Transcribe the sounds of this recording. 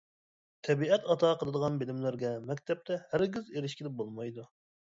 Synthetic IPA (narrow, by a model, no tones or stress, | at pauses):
t̪ʰɛbiɛt̪ɑt̪ʰɑqʰəlˠɨd̪əʁɑnbelɪmlɪɾɡʲɛmɛkʲt̪ʰɛp̚t̪ʰɛhæɾɡʲizeɾɪʃkʲʰɪlɪbolˠmɑjd̪u